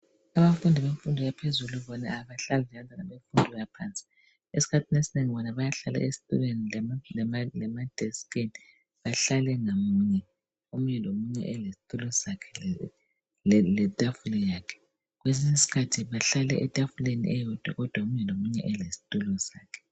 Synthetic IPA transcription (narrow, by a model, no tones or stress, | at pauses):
aβafundʱiβeɱfundʱijapʰezuluβɔnaaβaɬaliɛjantʼanaβeɱfundʱɔjapʰaːnt͡sʼi̥ | esi̥kʰatʰinesineŋiβɔnaβajaɬala̰ʔesi̥tʼṵlwenilɛmalɛmalɛmad̥ʱɛskʰʼeni | βaɬalɛŋamuɲɛ | omuɲɛlomuɲɛ̰ʔɛlesi̥tʼulɔsakʰɛ̥ | lɛtʼafulɔjaːkʰɛ̥ | ɣwes̬isisi̥kʰatʰiβaɬalɛʔɛtʼafulenḭʔɛjɔd̥ʱwa̰ɣɔd̥ʱwaomuɲɛlomuɲɛ̰ʔɛlesi̥tʼulɔsaːkʰɛ̥